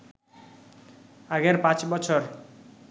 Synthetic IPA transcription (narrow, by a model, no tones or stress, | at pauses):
aɡeɾpãt͡ɕbɔt͡ɕʰoɾ